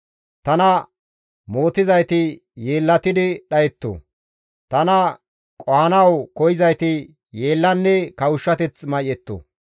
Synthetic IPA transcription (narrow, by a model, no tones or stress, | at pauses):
t̪ɐnɐ | mo̞ːt̪ɪzɐjt̪ɪ | je̞ːlːɐt̪ɪd̪ɪɗɐjɛt̪ːo̰ | t̪ɐnɐ | kʼɔhɐnɐwkɔjɪzɐjt̪ɪ | je̞ːlːɐnːɛkɐwʊʃːɐt̪ɛt͡smɐjɛt̪ːo̰